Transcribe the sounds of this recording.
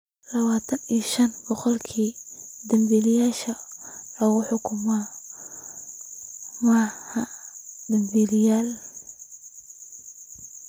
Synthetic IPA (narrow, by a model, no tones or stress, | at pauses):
lɐβaːt̪ʰɐniʃɐnbɔqɔlkʰiːd̪ɐmbiːlɪjaːʃɐlɐɣʊħʊkʰʊmɐ | mahɐd̪ɐmbiːlɪjaːl